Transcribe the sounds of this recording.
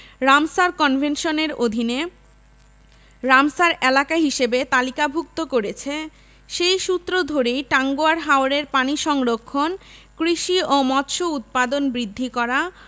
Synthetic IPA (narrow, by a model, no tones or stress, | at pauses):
ɾamsaɾkɔnbʱenʃoneɾod̪ʱine | ɾamsaɾelakaɦiʃebet̪alikabʱuk̚t̪okoɾet͡ɕʰe | ʃejʃut̪ːɾod̪ʱoɾejʈaŋɡoaɾɦaoɾeɾpaniʃɔŋɾokʰːonkɾiʃiomɔt̪ʃout̪̚pad̪onbɾid̪ʱːikɔɾa